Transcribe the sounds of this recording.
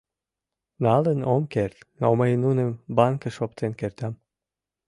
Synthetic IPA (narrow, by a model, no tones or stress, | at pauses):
nɑlənomkert̪noməjnunə̆mbɑŋkə̆ʃop̚t̪enkert̪æm